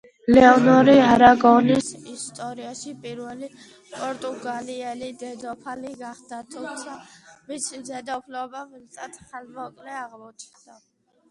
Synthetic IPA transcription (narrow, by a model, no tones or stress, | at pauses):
lɛɔnɔɾiaɾaɡɔnisist̪ʼɔɾiaʃipʼiɾwɛli | pʼɔɾt̪ʼuɡaliɛlid̪ɛd̪ɔpʰaliɡaχd̪at̪ʰut̪sʰamisid̪ɛd̪ɔpʰlɛbavilt̪ʼat̪ʰχalmɔkʼlɛaʁlˠɔt͡ʃʰd̪a